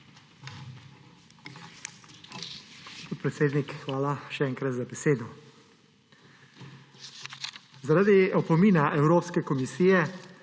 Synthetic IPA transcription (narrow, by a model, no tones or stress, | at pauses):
spoːt̪̚pɾɛt̪seːd̪nikxʋaːlaʃɛɛːŋkɾat̪zabɛseːd̪ɔ | zaɾad̪iɔpɔmiːnaʔɛwɾoːpskɛkɔmisiːjɛ